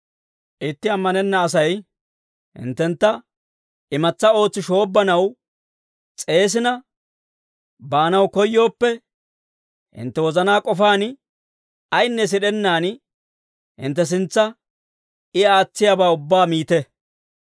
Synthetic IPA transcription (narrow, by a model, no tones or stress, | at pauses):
ʔɪt̪ːɪɐmːɐnɛnːɐːs̬ɐj | hɪ̰nt̪ːɛnt̪ːɐ | ɪmɐt͡sːɐo̞ːt͡sːɪʃo̞ːbːɐnɐw | t͡sʼe̞ːs̬ɪnɐ | baːnɐwkɔjːo̞ːpːɛ | hɪ̰nt̪ːɛwɔzɐnaːkʼɔfaːn | ɐjnːɛs̬ɪɗɛnːaːn | hɪ̰nt̪ːɛs̬ɪnt͡sːɐ | ɪaːt͡sːɪjaːbaːʊbːaːmiːt̪ɛ